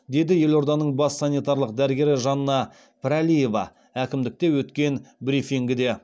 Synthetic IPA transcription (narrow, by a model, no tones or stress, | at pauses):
d̪e̞d̪ɪje̞lo̞ɾd̪ɑnəɴbɑsːɑnijt̪ɑɾlˠəq̚d̪æɾɪɡʲe̞ɾɪʒɑnːɑ | pʰɾalʲije̞vɑ̰ | ækʲɪmd̪ɪk̚t̪e̞wɵt̪kʲe̞nbɾifiŋɡʲɪd̪e̞